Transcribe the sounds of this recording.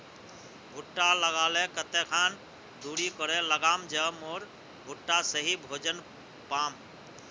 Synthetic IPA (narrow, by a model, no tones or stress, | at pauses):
bʱuʈːaləɡalɛkət̪ɛkʰan | d̪uɽikɔɾɛləɡamd͡ʒəmoɾ | bʱuʈːasəɦibʱod͡ʒən | pam